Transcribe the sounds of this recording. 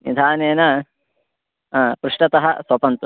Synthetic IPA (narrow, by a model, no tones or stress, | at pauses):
nḭd̪ʰʱaːneːnɐ | pɾuʂʈɐt̪ɐɦɐsɐpɐnt̪u